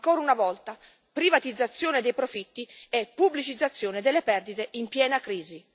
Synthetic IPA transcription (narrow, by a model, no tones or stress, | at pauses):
ŋkɔːɾunavɔlt̪a | pɾivat̪id̪zːat̪sːjoːned̪ejpɾofit̪ːiɛpːublit͡ʃid̪zːat̪sːjoːned̪elːepɛrd̪it̪eimpjɛːnakɾiːzi